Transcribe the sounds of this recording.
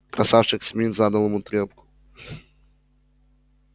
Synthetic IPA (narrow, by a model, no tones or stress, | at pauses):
k̪ɾɐsawʂɨxsʲmʲinzad̪ɐlˠɐmut̪ɾʲɛpkʊ̥